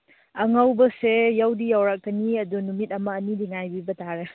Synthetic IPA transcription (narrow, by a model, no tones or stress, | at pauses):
ɐŋawbɐsejawdijawɾak̚kəniɐdunumit̚ɐmɐːnidiŋajbibɐtaɾe